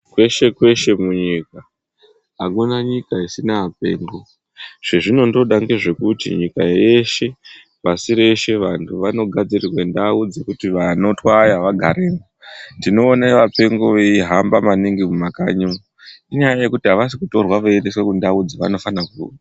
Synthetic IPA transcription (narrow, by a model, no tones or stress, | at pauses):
kwe̞ʃe̞kwe̞ʃe̞muɲika | ɦakunaɲikaisinaːpe̞̰ːŋɡo̞ | ʐ̥eʐino̞ndo̞ɗaŋɡeʐe̞kutḭɲikaje̞ʃe̞ | pasiɾe̞ʃe̞ʋantʰuʋano̞ɡʱad͡zirirwe̞ndaud͡zikutiʋano̞twajaʋaɡʱaɾeːmondino̞ːnaʋape̞ŋɡo̞ʋeiɦambamaniŋɡimumaka̰ɲimu | iɲajaje̞kutiɦaʋas̬ikuto̞rwaʋoende̞swe̞kundaud͡ziʋa̰no̞fanakuua